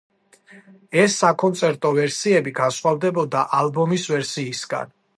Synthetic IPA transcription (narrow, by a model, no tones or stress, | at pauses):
ɛsːakʰʼɔnt̪sʼɛɾt̪ʼɔvɛɾsiɛbiɡansχwavd̪ɛbɔd̪aʔalbɔmisvɛɾsiːsɡa̰n